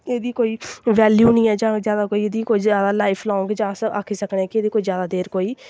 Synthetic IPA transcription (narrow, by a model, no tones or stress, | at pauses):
eːd̪iːkoːiːʋɛːljuːnĩːɛːd͡ʒãːzjaːd̪aːkoːiːeːd̪iːkoːiːzaːd̪aːlaːɪpʰlɔ̃ːŋɡd͡ʒãːsa̰kʰːiːsəkneːkɪeːd̪iːkoːiːzjaːd̪aːd̪eːɾkoːiː